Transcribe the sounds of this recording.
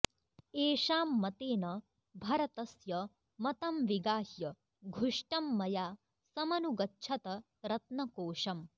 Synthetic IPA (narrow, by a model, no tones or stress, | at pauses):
eːʂaːmːɐt̪eːnɐ | bʱɐɾɐt̪ɐsjɐ | mɐt̪ɐmʋiɡaːhjɐ | ɡʱuʂʈɐmːɐjaː | sɐmɐnuɡɐtːʃʰɐt̪ɐ | ɾɐt̪nɐkoːʂɐm